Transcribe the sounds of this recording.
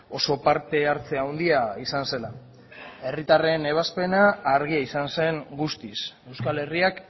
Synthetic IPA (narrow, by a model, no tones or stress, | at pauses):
o̞so̞paɾt̪e̞aɾt͡se̞awnd̪iaisanse̞la | e̞rit̪are̞ne̞β̞aspe̞naːɾɣ̞iaisanse̞ŋɡust̪ise̞wskale̞riak